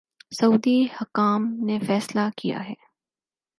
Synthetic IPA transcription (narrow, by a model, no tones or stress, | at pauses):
sɐuːd̪ihɐkaːmnefɛːslakija̰ɦɛː